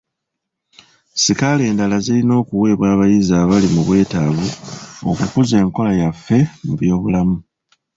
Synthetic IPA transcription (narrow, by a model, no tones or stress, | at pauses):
sikale̞ːndalazilino̞ːkuwe̞ːβwaːβajizaːβalimuβwe̞ːtaβuo̰kukuze̞ːŋko̞lajafːe̞muβjo̞ːβulamu